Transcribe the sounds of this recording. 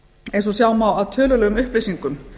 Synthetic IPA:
ejnsɔsjawmawawt̪ʰœːlʏlɛɣʏmʏhplisiŋkʏm

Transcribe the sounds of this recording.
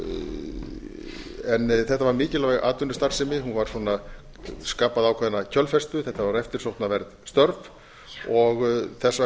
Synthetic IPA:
ɛnθɛht̪avaɾmɪːcɪlavaʔa̰ːt̪ʏnːʏst̪ar̥sɪmɪɦunvaɾ̥sɔːna | skaːpaðawkʰvaðɪnacʰœlfɛst̪ʏθɛht̪ːavaɾɛft̪ɪɾ̥sowht̪navɛɾðst̪œɾv | ɔɣθɛsːa

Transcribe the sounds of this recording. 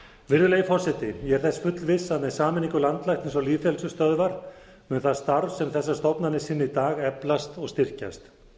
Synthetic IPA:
vɪɾðʏlejifɔr̥sɛt̪ɪjɛɛɾ̥θɛsfʏt̪lvɪsːaðnɛðsaːmɪniŋkʏlant̪lajht̪ɪnsvɔliːfɛlsʏst̪œðvaɾ | mʏnθaðst̪aɾvsɛmθɛsːast̪ɔpnanɪsɪnːɪit̪aːɣɛplast̪ɔɣst̪ɪr̥ca̰st̪

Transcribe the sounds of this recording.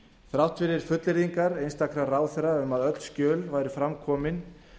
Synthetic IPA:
θɾawht̪fɪɾɪɾ̥fʏt̪lɪɾðiŋkaɾejnst̪akɾaraːwθɛɾaʏmaðœt̪l̥scœːlvaːjɾɪfɾamkʰɔːmɪn

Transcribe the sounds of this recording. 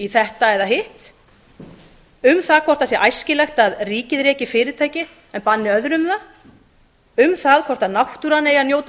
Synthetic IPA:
iθɛht̪aɛðaɦɪht̪ | ʏmθaðkʰvɔr̥t̪asjɛʔajscɪlɛxt̪aðriːcɪðɾɛːcɪfɪːɾɪt̪ʰaːjcɪ | ɛnpanːɪœðɾʏmða | ʏmθaðkʰvɔr̥t̪aðnawht̪uɾanejaðnjoːwt̪

